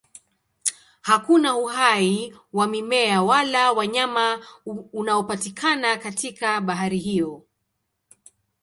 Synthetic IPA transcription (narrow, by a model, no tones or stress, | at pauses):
hakunauhaiwamimɛawalawaɲamaunaɔpatikʰanakatikaɓaɦaɾihijɔ